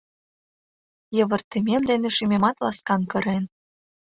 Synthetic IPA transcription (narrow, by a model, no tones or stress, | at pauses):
jɤ̆βə̆rt̪emʲemd̪eneʃymemɑt̪lɑskɑnkɤ̆ɾen